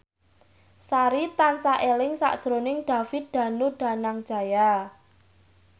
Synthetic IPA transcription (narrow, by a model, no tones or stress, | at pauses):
saɾit̪ansaʔelɪŋsa̰ʔd̥ʒ̥ɾonɪŋɖ̪̥a̤fɪt̪̚d̪̥a̤nuɖ̥a̤naŋd̥ʒ̥a̤ja